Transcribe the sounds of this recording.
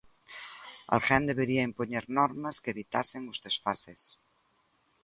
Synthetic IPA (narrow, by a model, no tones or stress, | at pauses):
a̰lxand̪eβeɾiaimponeɾnɔɾmaskeeβit̪aseŋuzðesfases